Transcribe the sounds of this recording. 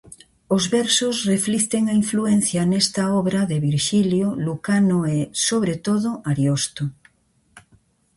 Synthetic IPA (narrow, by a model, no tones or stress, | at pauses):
ozβɛɾsosreflikt̪eŋaiɱfluen̟θjanest̪aɔβɾaðeβiɾʃiljolukanoesoβ̞ɾet̪oðoaɾjost̪o